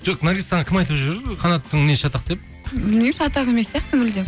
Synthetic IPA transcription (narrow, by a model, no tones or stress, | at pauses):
d͡ʒoqnaɾɡʲist̪ːɑɴɑkʲʰɪmɑjt̪əpʒɪβeɾd̪qʰɑnɑt̪ːəŋneʃɑt̪ɑq̚d̪e̞p̚ | bɪlnijmʃɑt̪ɑʁe̞mesːjɑqt̪əmɪld̪e